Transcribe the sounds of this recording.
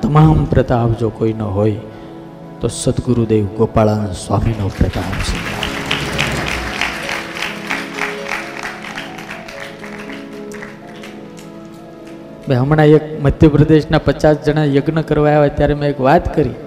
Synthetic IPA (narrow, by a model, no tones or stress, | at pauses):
t̪əmampɾət̪aːpd͡ʒokoinəɦoi | t̪osət̪ɡuɾud̪eʋɡopaɭansʋa̰minopɾət̪aɦsəna | meɦəmɳaekməd̪ʱjəpɾəd̪eʃnapət͡ʃasd͡ʒəɽ̃ajəɡnəkəɾʋajaʋet̪jaɾemẽekʋat̪kəɾi